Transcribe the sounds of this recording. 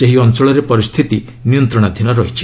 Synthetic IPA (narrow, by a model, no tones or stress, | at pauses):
eɦiɔnt͡ʃɔɭɔɾepɔɾist̪ʰit̪i | nijɔnt̪ɾɔɽ̃ad̪ʱinɔɾɔɦit͡ʃʰi̥